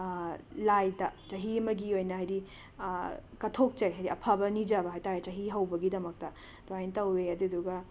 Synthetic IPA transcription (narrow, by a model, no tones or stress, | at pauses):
lajdɐt͡ʃɐɦiɐmɐɡiojnɐɦajɾi | kɐtʰok̚t͡ʃejɦajɾiʔɐpʰabɐnid͡ʒɐbɐɦajtajt͡ʃɐɦiɦɐwbɐɡidɐmɐk̚tɐ | doajntɐwːeɐduduɡɐ